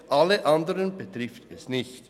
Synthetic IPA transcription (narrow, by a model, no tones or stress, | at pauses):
ʔalːəʔandəʁənbətʁɪftɛsnɪçt